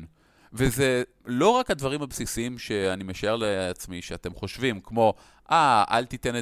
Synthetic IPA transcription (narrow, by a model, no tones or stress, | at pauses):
veze̞ | lo̞ʁakad̪vaʁimhabsisiimʃe̞animeʃae̞ʁleat͡smiʃeate̞mχo̞ʃvimkmo̞ | ʔaa̰lt̪ite̞ne